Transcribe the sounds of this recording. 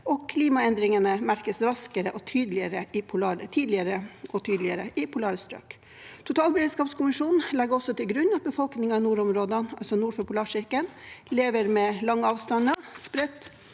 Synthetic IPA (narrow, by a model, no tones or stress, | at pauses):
ɔkʰliːmɑɛnd̪ɾɪŋənəmæɾkəsɾɑskəɾəʔɔt̪ʰyːd̪lɪəɾəʔɪpʰʊlɑːɾət̪ʰiːd̪lɪəɾəʔɔt̪ʰyːd̪lɪəɾəʔɪpʰʊlɑːɾəst̪ɾø̰ːk | t̪ʰʊt̪ʰɑːlbəɾeːd̪skɑːpskʰʊmɪʂuːnn̩lɛɡɔsɔt̪ʰɪlɡɾʉnːɑt̪̚bəfɔlknɪŋɑnuːɾɔmɾoːd̪ənɑ̰lsɔnuːɾfœpʊlɑːʂɪɾkən | leːʋəɾmɛlɑŋːɑːʋst̪ɑnəspɾɛt̪ː